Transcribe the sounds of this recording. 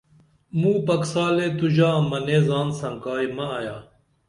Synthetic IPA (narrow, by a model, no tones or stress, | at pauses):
mũːpɐksaːleːt̪uʑaːmɐneːzaːnsɐŋkaːjmɐːjaː